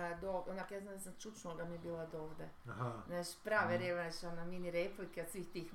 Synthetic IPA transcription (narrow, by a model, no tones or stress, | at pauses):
d̪oonakjaːznamnd̪asamt͡ʃut͡ʃnuoɡamiebiːlˠad̪oːʋd̪ehnat͡ʃpɾaːʋeɾeʋonat͡ʃanaminiɾeplikeot̪sʋiːxt̪iːx